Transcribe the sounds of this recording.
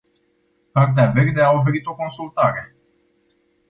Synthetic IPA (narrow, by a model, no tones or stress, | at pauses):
kart̪̬eave̞rd̪e̞ao̞f̬e̞ɾit̪o̞ko̞nsult̪aɾe̞